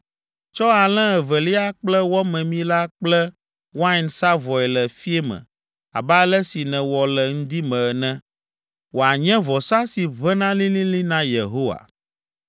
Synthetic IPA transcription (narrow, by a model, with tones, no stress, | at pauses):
t͡ʃɔ˦a˨lɛ̃˦ɛ˨vɛ˨li˦a˦k͡plɛ˦wɔ˦mɛ̃˨mĩ˦la˦k͡plɛ˦ | wa˦i˨nsa˦vɔ˨ɛ˨lɛ˨fi˦ɛ˦mɛ̰̃˨ | a̰˨ba˦lɛ˦si˨nɛ̃˨wɔ˨lɛ˨ŋ̩˦d̪i˦mɛ̃˨nɛ̃˦ | wo˨a˨ɲɛ̃˦vɔ˨sa˦si˨βɛ˦nã˦lĩ˦lĩ˦lĩ˦nã˦je˨ɦo˦wa̰˨